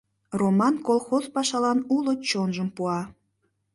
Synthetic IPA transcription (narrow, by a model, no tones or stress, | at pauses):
romɑnkolˠxozpɑʃɑlɑnulot͡ɕonʒəmpuɑ